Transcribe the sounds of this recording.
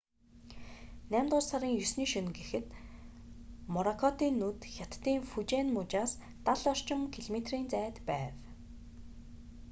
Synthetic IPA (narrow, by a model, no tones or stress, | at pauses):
næːmʲt̪ʊːrsaɾiːŋjɵsniːʃɵnɡexɘ̆t̪ | mɔɾɔkʰɔt̪iːnːut̪xʲat̪ːiːŋfut͡ɕeːnmʊt͡ɕaːs | t̪aɮɔr̥t͡ɕɪ̆mkʰiɮmet̪riːnt͡sæːt̪pæːw